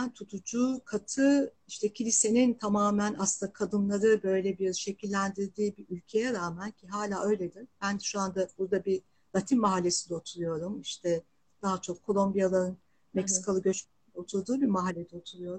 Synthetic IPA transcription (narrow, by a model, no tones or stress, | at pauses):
nt̪ʰut̪ʰud͡ʒuːkʰat̪ʰɯ | iʃt̪ʰɛcʰilʲise̞nint̪ʰamaːmænʔa̰sɯnd̪akʰad̪ɯnlˠaɾɯbø̞jlʲɛbiɾʃe̞cʰilʲːænd̪iɾd̪iːbiɾylʲcʰe̞jɛɾaːmæncʰiɦaːlʲaːø̞jlʲe̞d̪ib̥ænʃuand̪abuɾd̪abi | lˠat̪ʰinmaɦalʲːe̞sid̪ɛot̪ʰuɾujo̞ɾumiʃt̪ʰɛ | d̪̥aɦat͡ʃʰo̞kʰːo̞lˠo̞mbijalˠaɾɯn | meksi̥kʰalˠɯɡɟø̞t͡ʃmed̪ɛot̪ʰuɾd̪uːbimaɦalʲːed̪ɛot̪ʰuɾujo̞ɾum